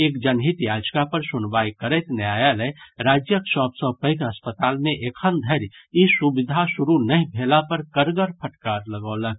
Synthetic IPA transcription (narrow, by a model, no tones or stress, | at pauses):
eːkd͡ʒənɦit̪jaːd͡ʒkapəɾsʊnʋaːjkəɾɛt̪njaːjalɛɾaːd͡ʒjəkʃɔːbsəpəɪkəspət̪aːlmẽʔekʰənd̪ʱəɾisubɪd̪ʱaʃʊɾunəɦĩbʱelapəɾkəɾɡəɾpʰəʈkaːɾləɡɔːlək